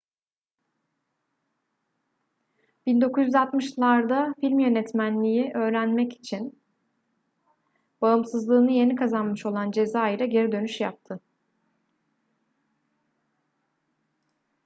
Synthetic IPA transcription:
b̥ind̪o̞kʰuzjyzalˠt̪mɯʃlˠaɾd̪afilʲmjø̞nɛt̪mænlʲijiʔø̞ːɾænmɛci̥t͡ʃʰin | b̥aɯmsɯzlˠɯːnɯje̞nikʰazanmɯʃo̞lˠand͡ʒe̞zaːiɾʲɛɟe̞ɾid̪ø̞nyʃjap̚t̪ʰɯ

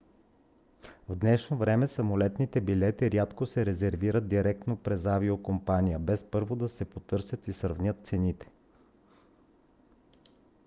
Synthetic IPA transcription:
vd̪nɛʃnovɾɛmɛsɐmolɛt̪nit̪ɛbilɛt̪iɾʲjat̪kosɛɾɛzɛɾviɾət̪̚d̪iɾɛk̚t̪nopɾɛzaviokompanʲijəbɛspɤɾvod̪ɐsɛpot̪ɤɾsʲjət̪isɾəvnʲət̪̚t̪sɛnit̪ɛ̥

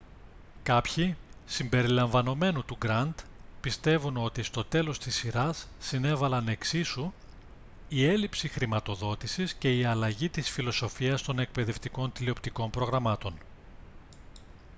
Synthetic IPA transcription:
kɐpçisimbe̞ɾilɐɱvɐno̞me̞nut̪uɡɾɐnd̪pist̪e̞vuno̞t̪ist̪o̞t̪e̞lo̞st̪isiɾɐsːine̞vɐlɐne̞ksisu | ie̞lipsixɾimɐt̪o̞ðo̞t̪isisce̞iɐlɐʝit̪isfilo̞so̞fiɐst̪o̞ne̞k̚pe̞ðe̞ft̪iko̞nt̪ilio̞pt̪iko̞mpɾo̞ɣɾɐmɐt̪o̞n

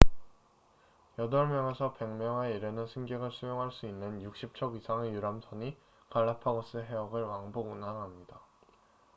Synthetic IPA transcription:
jʌdʌɭmjʌŋe̞sʰʌpe̞ŋmjʌŋeiɾjʌnɯnsʰɯŋɡeɡɯɭsʰujoŋɦaɭs͈uinːɯnjuk̚ɕ͈ip̚t͡ɕʰʌɡisʰaŋejuɾamsʰʌɲi | kaɭːapʰaɡʌs͈ɯɦe̞ʌɡɯɭwaŋboɡunaŋɦamɲida

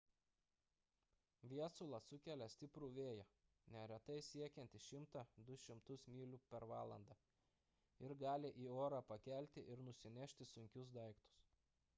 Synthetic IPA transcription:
ʋʲiɛsʊlˠɑsʊkʲɛlʲɛsʲt̪ʲɪpɾuːʋʲeːjɛ | nʲɛɾʲɛt̪ɐɪsʲiɛkʲɛnʲt̪ʲɪʃʲɪmt̪ɑd̪ʊʃʲɪmt̪ʊsmʲiːlʲuːpʲɛɾʋɑːlˠɐnd̪ɑː | ɪɾɡɑːlʲɪʔiːoːɾɑːpɐkʲælʲt̪ʲɪʔɪɾnʊsʲɪnʲɛʃʲt̪ʲɪsʊŋʲkʲʊs̬d̪ɐɪkt̪ʊ̥s

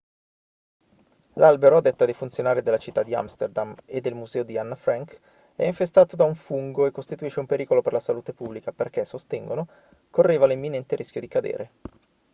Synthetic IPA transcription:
lʔalbeɾoad̪ɛt̪ːad̪efunt̪sjonaːɾid̪elːat͡ʃit̪ːad̪ːia̰mst̪erd̪amed̪ːelmuzɛːod̪ianːafɾaŋk | ɛ̰iɱfest̪aːt̪od̪auɱfuŋɡoekːost̪it̪uiʃːeumpeɾiːkoloperlasaluːt̪epubːlikaperkesːost̪ɛŋɡono | korːeːvalimːinɛnt̪eɾʔiskʲjod̪ikad̪ḛːɾe

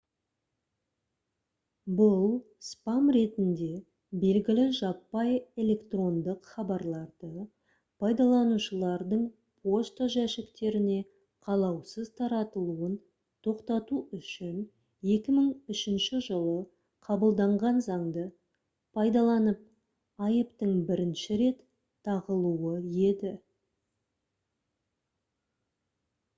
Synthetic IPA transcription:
bʊlˠ | spɑmɾe̞t̪ɪnd̪e̞ | be̞lɡʲɪlɪʒɑpːɑje̞le̞kt̪ro̞nd̪əqχɑbɑɾlˠɑɾd̪ə | pʰɑjd̪ɑlˠɑnuʃəlˠɑɾd̪əɴ | pʰo̞st̪oʒæʃɪkt̪e̞ɾɪne̞ | qʰɑlˠɑwsəzt̪ʰɑɾɑt̪əlˠuən | t̪ʰo̞qt̪ɑt̪uʏʃɪn | je̞kʲɪməɴʏʃɪnʃɪʒəlˠə | qʰɑbəlˠd̪ɑɴʁɑnzɑɴd̪ə | pʰɑjd̪ɑlˠɑnəp̚ | ɑjəpt̪əɴbɪɾɪnʃɪɾe̞t̪ʰː | ɑʁəlˠuəje̞d̪ɪ

